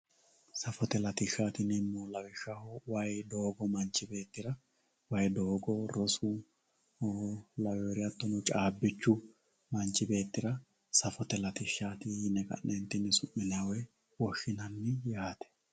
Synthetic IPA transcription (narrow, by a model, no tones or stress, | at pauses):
sɐfɔt̪ɛlɐt̪ɪʃːaːt̪ɪnɛmːɔlɐwɪʃːahɔwɐjd̪oːɡɔmɐnt͡ʃːɪbe̞ːt̪ːɪɾɐ | wɐjd̪oːɡɔɾɔsʊ | lɐwɛɾɪjɐt̪ːɔnʊt͡ʃʼaːbːɪt͡ʃːʊ | mɐnt͡ʃːɪbe̞ːt̪ːɪɾɐ | sɐfɔt̪ɛlɐt̪ɪʃːaːt̪ɪnɛkʼɐ̰nːɛnt̪ːɪnːɛsʊʔːɪnawɛ | wɔʃɪnɐnːɪjaːt̪ɛ̥